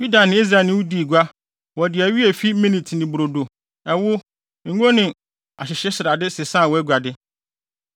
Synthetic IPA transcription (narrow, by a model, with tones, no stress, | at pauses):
ju˦da˨nɪ̃˨˦i˦s̬ɾa˨nɪ̃˦wu˦di˨ɡʷa˦ | wɔ˨dɪ˨æ˨ɥi˦ɛ˨fi˦mĩ˦ni˨tʰi˨nɪ̃˨bɾo˨do˨ | ɛ˨wʊ˦˨ | ŋ̩˦ɡo˦nɪ̃˨ | a˨ɕɪ˨ɕɛ˦sɪ˨ɾa˨dɪ˦sɪ˨sã˦˨wɔ˨˦ɛ˦ɡʷa˨dɪ˦